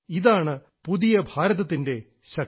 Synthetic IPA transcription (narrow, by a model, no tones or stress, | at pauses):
iðaːɳɨ | puðijɐbʱaːɾɐðɐt̪ːinde̞ | ɕɐk